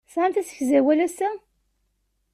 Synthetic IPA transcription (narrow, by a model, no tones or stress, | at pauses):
sʕanθæsə̥çzæwælæsæ